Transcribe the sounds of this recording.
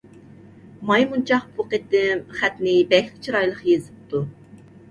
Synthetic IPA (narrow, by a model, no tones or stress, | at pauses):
mɑjmunt͡ʃʰɑχpʰuqet̪ɪmχæt̪nɪbɛlɪk̚ʲt͡ʃʰiɾɑjlˠəχjezɪp̚t̪ʰu